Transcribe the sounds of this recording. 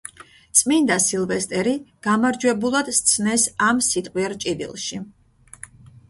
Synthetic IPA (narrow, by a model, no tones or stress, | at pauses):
t̪sʼmind̪asilˠvɛst̪ʼɛɾiɡ̥amaɾd͡ʒwɛbulˠad̪̥st̪sʰnɛsamsit̪ʼqʼwiɛɾt͡ʃʼid̪ḭlˠʃi